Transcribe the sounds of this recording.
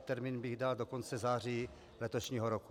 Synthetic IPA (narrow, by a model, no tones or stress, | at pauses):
t̪ɛɾmiːnbɪɣdaldo̞ko̞nt͡sɛzaːr̝iː | lɛt̪oʃɲiːɦoɾoku̥